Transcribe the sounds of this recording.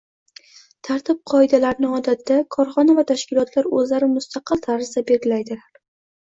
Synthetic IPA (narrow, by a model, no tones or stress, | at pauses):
t̪ʰaɾt̪ʰɪp̚qʰɒɪd̪alaɾnɪɒd̪at̪ʰːakʰɒɾχɒnavat̪ʰaʃkʲɪlˠɒt̪ʰlaɾɵzlaɾɪmʊst̪ʰɑqʰɨlˠt̪ʰaɾɪzd̪abeɾɡʲɪlajd̪ɪlaɾ